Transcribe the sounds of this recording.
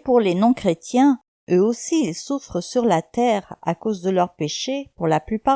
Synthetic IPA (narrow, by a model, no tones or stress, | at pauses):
puʁlenɔ̃kχet̪jɛ̃ | øosiːlsufχəsyʁlat̪ɛʁa̰kozd̪əlœʁpeʃepuʁlaplypa